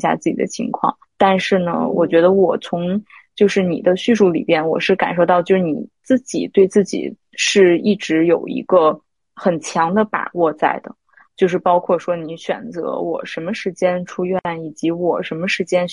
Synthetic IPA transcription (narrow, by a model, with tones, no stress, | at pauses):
ɕja̰˥˧t͡sɹ̩˥˩t͡ɕḭ˨˩d̪ə˦t͡ɕʰḭ˧˥ŋkʰwɑ̰˥˩ŋ | t̪a˥˧nʂɻ̩˥˩nə̰˩wʔɔ̰˨˩t͡ɕɥɛ˧˥d̪ə˧wɔ˨˩t͡sʰʊ˧˥ŋ | t͡ɕjo˥˧ʊʂɻ̩˥˩nḭ˨˩d̪ə˦ɕy˥˧ʂu˥˩lḭ˨˩mjɛ˥˩nwɔ̰˨˩ʂɻ̩˥˩ka̰˨˩nʂo˥˧ʊɑ˥˧ʊt͡ɕjo˥˧ʂɻ̩˥˩ni˨˩t͡sɹ̩˥˩t͡ɕḭ˨˩t̪we˥˧ɪt͡sɹ̩˥˩t͡ɕḭ˨˩ | ʂɻ̩˥˧i˥˩ʈ͡ʂɻ̩˧˥jo˨˩ʊḭ˧˥ɡə˧ | xə˨˩nt͡ɕʰjɑ˧˥ŋd̪ə˧pa̰˨˩wɔ˥˧t͡sa̰˥˩ɪd̪ə̰˩ | t͡ɕjo˥˧ʊʂ̬ɻ̩˥˩pɑ˥ʊkʰwɔ˥˩ʂwɔ˥ni˧˥ɕɥɛ̰˨˩nt͡sɤ̰˧˥wɔ̰˨˩ʂə˧˥nmə˧ʂɻ̩˧˥t͡ɕjɛ˥nʈ͡ʂʰu˥ɥɛ˥˩ni˨˩t͡ɕi˧˥wɔ˨˩ʂə˧˥nmə˧ʂɻ̩˧˥t͡ɕjɛ˥n